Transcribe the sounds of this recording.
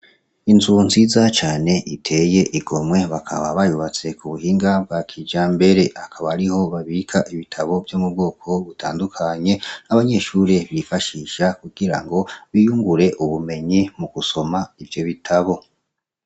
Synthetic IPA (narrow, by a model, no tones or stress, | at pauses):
inzunzizat͡ʃaːne̞ʔitʰe̞je̞ʔiɡo̞mwe̞βakʰa̰βaβajuβat͡se̞kuβuhiːŋɡabɡakʰid͡ʒaːmbe̞ɾe̞akʰaβaaɾiho̞βaβikʰaʔiβitʰaβo̞vjomub̚ɡo̞ːkʰo̞βutʰa̰ːndukʰaɲe̞aβaɲe̞ʃuɾe̞βifaʃiʃakuɡ̥iɾa̰ŋɡo̞βijuːŋɡuɾe̞ʔuβume̞ɲimuɡ̥uso̞maivjo̞βitʰaβo̞